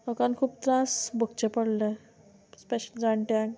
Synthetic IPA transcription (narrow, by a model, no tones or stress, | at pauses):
əkankʰuːp̚t̪ɾasbʱəkt͡ɕepəɽle | speɕəld͡zaɳʈãŋ